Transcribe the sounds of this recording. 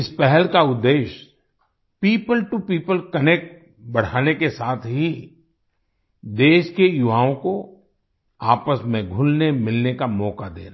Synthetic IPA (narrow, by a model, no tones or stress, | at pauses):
ɪspɛɦɛlkaʊd̪ːeːʃ | piːpəlʈupiːpəlkənɛk̚ʈ | bɐɽ̤aːnekesaːt̪ʰɦi | d̪eːʃkejʊʋaːõko | aːpəsmẽɡʱʊlnemɪlnekamɔːkad̪ḛːɾa